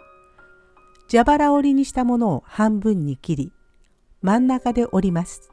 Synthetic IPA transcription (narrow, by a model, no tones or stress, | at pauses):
d͡ʑabaɾao̞ɾʲiɲ̟iɕi̥t̪amo̞no̞ːhãmbɯ̟̃ɲ̟ːikʲiɾʲi | mãnːakad̪e̞ʔo̞ɾʲimasɨ̥